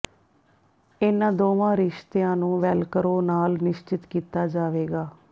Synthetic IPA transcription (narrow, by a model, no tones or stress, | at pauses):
enãːd̪oːʋãːɾɪʃt̪eãːnũːʋɛːlkəɾoːnaːlnɪʃt͡ʃɪt̪kiːt̪aːd͡ʒaːʋeːɡaː